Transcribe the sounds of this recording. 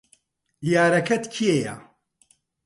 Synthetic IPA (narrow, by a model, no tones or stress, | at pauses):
jaːɾɐkʰɐt̪kʰiejɐ̰